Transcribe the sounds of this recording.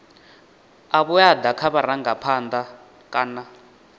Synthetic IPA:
aβujad̪akʰaβaɾaŋɡapʰand̪a | kʼaːna

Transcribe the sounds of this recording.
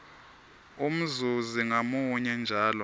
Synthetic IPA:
um̩zuziŋamuɲɛnd͡ʒʱaːlɔ

